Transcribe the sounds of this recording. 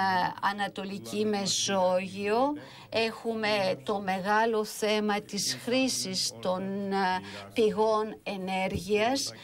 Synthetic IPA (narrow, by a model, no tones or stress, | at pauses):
ɐnɐt̪o̞licime̞so̞ʝio̞ | e̞xume̞t̪o̞me̞ɣɐlo̞θe̞mɐt̪isxɾisist̪o̞n | piɣo̞ne̞ne̞ɾʝiɐs